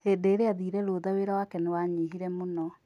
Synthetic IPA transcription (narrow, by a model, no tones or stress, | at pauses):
edeːɾeaðiɾɛɾoðaweɾawakɛnewaɲiɦiɾɛmonɔ